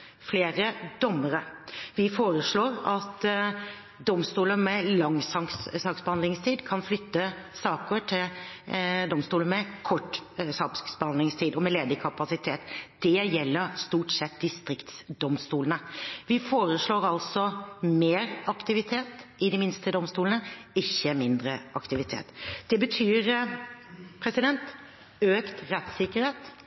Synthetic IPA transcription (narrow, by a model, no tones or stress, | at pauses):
fleːɾəd̪ɔmːəɾəʋɪfoːɾəʂɭoːɾɑt̪ | d̪ɔmst̪uːləmɛlɑŋsɑŋssɑːksbəhɑnd̪lɪŋst̪ʰiːd̪kʰɑnflʏt̪ːə | sɑːkəʈʰɪl | d̪ɔmst̪uːləmɛkʰɔʈːsɑpsksbəhɑnd̪lɪŋst̪ʰiːd̪ɔmɛleːd̪əkʰɑpɑsɪt̪ʰeːt̪d̪̥ɛjɛlːəɾst̪uːʈsɛt̪d̪ɪst̪ɾɪkt̪sd̪ɔmst̪uːlənəʋɪfoːɾəsɭoːɾɑlsɔmeːɾɑkt̪ɪʋɪt̪ʰeːt̪ʔɪd̪ɪmɪnst̪əd̪ɔmst̪uːlənəɪçːəmɪnd̪ɾəʔɑkt̪ɪʋɪt̪ʰḛːt̪d̪̥ɛbət̪ʰyːɾ | pʰɾɛsɪd̪ɛnt̪ | øːkt̪ɾɛt̪sɪkəɾheːt̪